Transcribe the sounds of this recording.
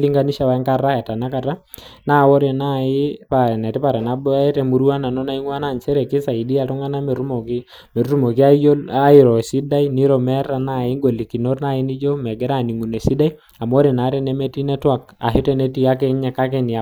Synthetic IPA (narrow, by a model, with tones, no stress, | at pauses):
li˦ŋɡa˦ni˦ʃa˦wa˨i˦ŋka˦ra˦jɛ˨ta˨na˦ka˨ta˦ | na˦˨wo˦ɾe˨na˦ɪ˦pa˨ɾɛ˨nɛ˨tɛ˦pa˨ɾɛ˨na˨˦bɛ˦tɛ˦mu˨ɾwa˦na˨nɔ˦na˦i˦ŋwa˦na˦˨nt͡ʃɛ˦ɾɛ˨kɪ˦sa˨i˨di˦a˨tɔ˦ŋa˦na˦mɛ˨ɾu˦mɔ˨k | me˨ɾu˦ɾu˦mo˨ki˦a˦a˦i˨ɾɔ˨si˦da˦ini˦ɾɔ˨mɛ˦ra˨na˦˨ɪ˦ŋɡo˨li˨ki˨no˦rna˦˨ɪ˦ni˦d͡ʒo˦mɛ˨ɡɛ˦ɾa˦˨ni˨ŋu˨nɛ˨si˦da˦j | a˨mɔ˦ɾe˨na˨˦ɾɛ˦nɛ˦mɛ˦ti˦nɛ˦twa˨ka̰˨ɦi˦tɛ˦nɛ˦ti˦a˦k̬ɛ˦ɲɛ˨ka˦k̬ɛ˦nɪ˨a˨